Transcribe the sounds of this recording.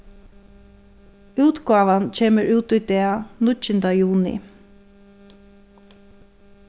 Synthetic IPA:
uːt̪ɡɑːʋant͡ʃʰeːməɹʔʉːt̪ʊjd̪eːanʊʏnd̪ajuːnɪ̰

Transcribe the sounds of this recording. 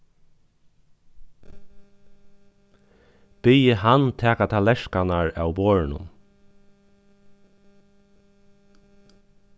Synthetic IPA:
b̥ijəhant̪ʰɛːkat̪ʰalɛʂkanaɹa̰ːwboːɹɪnʊ̰m

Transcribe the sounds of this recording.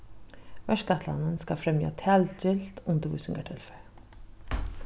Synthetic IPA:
væʂɡat̪ʰla̰nənskafɾɛmja̰t̪ʰɛltʏlt̪ʰʊnd̪əvusɵŋɡaʈʰɵlfəɾ

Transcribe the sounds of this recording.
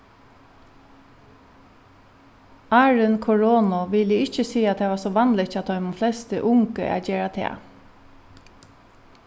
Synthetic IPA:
ɑːɹʏnkʰɔɹoːnɔʋɪləɪt͡ʃəsiːat̪̚ːɛːʋɑːsɔʋɑnlɪt͡ʃɑt̪̚d̪ɔʏmʊflɛst̪əʔʊŋkə̰a̰d͡ʒeːɹat̪ʰḛː

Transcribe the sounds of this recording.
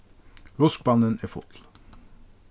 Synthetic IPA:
ɾɔsk̚bɑnəneːfɔ̰t̪l̩

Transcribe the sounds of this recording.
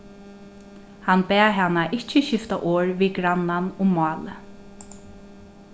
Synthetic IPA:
hanbɛːɦanːaʔɪt͡ʃːəʃɪft̪aʔɔːɹviːɡɾanːanʊmmɑːlə

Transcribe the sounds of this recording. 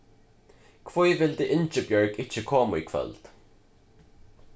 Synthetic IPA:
kʰvojvɪld̪ɪʔɪnt͡ʃəbjɔɹɡɪt͡ʃəkʰɔːmʊikʰvɛ̰ld̪̥

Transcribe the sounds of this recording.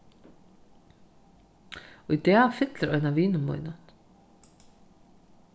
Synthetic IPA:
ɔit̪ɛːfɪt̪lɪɾœjnaviːnʏmɔ̰jnan

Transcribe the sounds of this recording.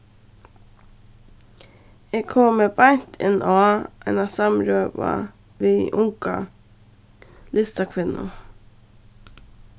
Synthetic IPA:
eːɡkʰɔːmeːbɑnt̪ʰɪnʔoɑʔɛ̰nɑsɑmɾøːʋɑ̰ | ʋiːʔʊŋkɑ | lɪst̪ɑkʰʋɪnʊ̰

